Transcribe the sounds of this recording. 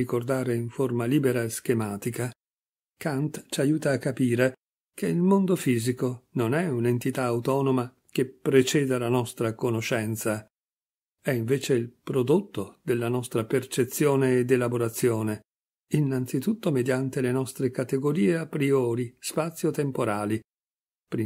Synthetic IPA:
ikord̪aːɾeiɱformaliːbeɾaeskemaːt̪ika | kant̪t͡ʃajuːt̪aːkːapiːɾe | k̟eilmond̪ofiːzikononɛunent̪it̪aːwt̪ɔːnoma | k̟epːɾet͡ʃɛːd̪alanɔst̪ɾakonoʃɛnt̪sa | ɛiɱveːt͡ʃeilpɾod̪ot̪ːod̪elːanɔst̪ɾapert͡ʃet̪sːjoːneːd̪elaboɾat̪sːjoːne | inːant̪sit̪ut̪ːomed̪jant̪elenɔst̪ɾekat̪eɡoɾiːeapɾiɔːɾispat̪sːjot̪empoɾaːli | pɾi

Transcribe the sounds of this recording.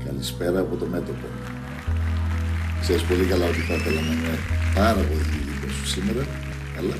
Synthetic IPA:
kɐlispe̞ɾɐːpo̞t̪o̞me̞t̪o̞po̞ | kseɾispo̞likɐlɐo̞t̪iθɐθelɐnɐinepɐɾɐpo̞liiposu̥simeɾɐ | ɐlɐ

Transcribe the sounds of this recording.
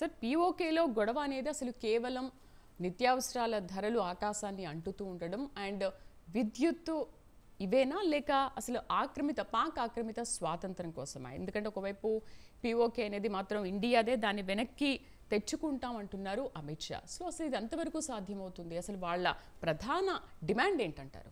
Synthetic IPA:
sɐɾpiːoːkeːlo̞ːɡɔɽɐʋɐːne̞ːd̪iɐsɐlukɛːʋɐlɐm | nit̪jaːʋɐsɐɾaːlɐd̪ʱɐɾɐluaːkaːʃaːnːiɐɳʈut̪uːɳɖɐɽɐmɛɳɖ | ʋid̪jut̪ːu | iʋɛːnaːlɛːkɐɐsɐluʔaːkɾɐmit̪ɐpaːkaːkɾɐmit̪ɐsʋaːt̪ɐnt̪ɾɐmkɔːsɐma̰ːḛnd̪ukɐɳʈeːɔkɐʋɐjpupiːo̞ːkeːɐneːd̪imaːt̪ɾɐmiɳɖijaːd̪eːd̪aːnːiʋɛnɐkːi | t̪e̞t͡ʃːukuɳʈaːmɐɳʈunːaːɾuʔɐmiʈʂa̰ːsoːɐsɐluid̪ɐnt̪ɐʋɐɾɐkuːsaːd̪ʱjɐmɐwt̪und̪iɐsɐluʋaːɭːɐ | pɾɐd̪ʱaːnɐɖimaːɳɖe̞ːɳʈɐɳʈa̰ːɾu

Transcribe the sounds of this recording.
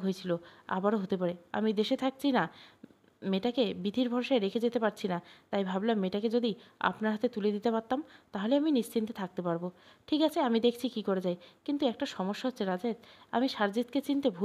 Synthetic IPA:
ɦojet͡ɕʰiloa̰baɾoɦot̪epaɾea̰mid̪eʃet̪ʰak̚t͡ɕʰina | meʈakebid̪ʱiɾbʱɔɾʃaeɾekʰed͡ʑet̪epaɾt͡ɕʰinat̪ajbʱablamːeʈaked͡ʑod̪ia̰pnaɾɦat̪et̪uled̪it̪epaɾt̪ːamt̪aɦoleaminiʃt͡ɕint̪et̪ʰak̚t̪epaɾboʈʰikat͡ɕʰeamid̪ekʰt͡ɕʰikikoɾed͡ʑajkint̪uɛk̚ʈaʃɔmoʃːaɦotːʰeɾad͡ʑed̪a̰miʃaɾd͡ʑit̪ket͡ɕint̪ebʱu

